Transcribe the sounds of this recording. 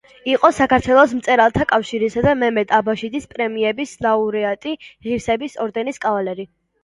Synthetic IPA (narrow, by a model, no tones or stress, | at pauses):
iqʼɔsakʰaɾt̪ʰwɛlˠɔsm̩t̪sʼɛɾalˠt̪ʰakʼafʃiɾisad̪amɛmɛt̪ʼabaʃid̪ispʼɾɛmiɛbislauɾɛat̪ʼiʁiɾsɛbisɔɾd̪ɛniskʼavalɛɾi